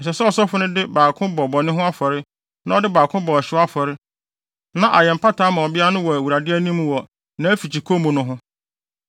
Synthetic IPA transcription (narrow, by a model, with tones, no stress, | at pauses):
n̩˨s̬ɛ˨sɛ˦ɔ˨sɔ˦fʊ˦nʊ̃˦dɪ˦baː˨kʰʊ̃˦bɔ˨bɔ˨nɪ̃˦ɦʊ̃˦a˦fɔ˨ɾɪ˦ | nã˦ɔ˦dɪ˦baː˨kʰʊ̃˦bɔ˨a˨ɕɪ˦a˦fɔ˨ɾɪ˦ | nã˦ʔa˨jɛ˨m̩˨pʰa˦tʰaː˦mã˨ɔ˨bɪ˦a˦nʊ̃˦wɔ˨æ˨wu˨ɾa˨dɪ˦æ˦nĩ˦m˦˨wɔ˨ | nã˦æ˦fi˨t͡ɕʰi˨kʰo˦mʊ̃˨nʊ̃˦ɦʊ̃˦